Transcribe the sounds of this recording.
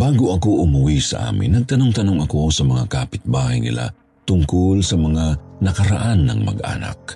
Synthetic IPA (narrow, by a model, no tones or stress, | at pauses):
baːɡoʔɐko̞ʔʊmʊwisɐ̰ʔa̰ːmɪ̰nːɐɡ̚t̪ɐnoŋt̪ɐno̞ŋɐko̞sɐmɐŋa̰kaːpɪt̪̚baːhɐjnɪ̰la̰ | t̪ʊŋkolsɐmɐŋanɐkɐɾɐ̰ʔanːɐ̰ŋmɐ̰ɡʔa̰ːnɐ̰k̚